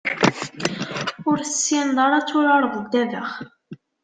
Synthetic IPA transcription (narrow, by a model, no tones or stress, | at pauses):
ʊɾθəsːind̪ˤɑɾˤɑt͡sːʊɾɑɾˤðˤd̪ːævəχ